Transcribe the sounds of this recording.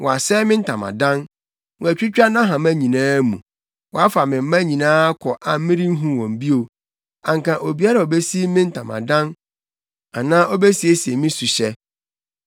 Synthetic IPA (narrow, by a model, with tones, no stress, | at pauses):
wʔɔ˨a˨sɛ˦mɪ̃˦n̩˦tʰã˨mã̰˨dã˦n | wɔ̃˨æ˨t͡ɕᶣi˦t͡ɕᶣa˦nã˦ɦã˨mæ̃˦ɲĩ˨nãː˦mṵ̃˨ | wɔ˨a˦fa˨mɪ̃˨m̩˦mã˦ɲĩ˨nãː˦kʰɔ˨ʔa˨m̩˦mɪ̃˦ɾĩ˦n̩˦ɦũ˦wɔ̃˨m˨bi˦o˨ | ã˨ŋ˨kã˨ʔo˨bi˦a˦ɾa˨o˨be˦si˦mɪ̃˦n̩˦tʰã˨mã̰˨dã˦n | a˨nã˦ʔɔ˦be˦si˨e˦si˨e˨mɪ̃˦su˨ɕɛ˦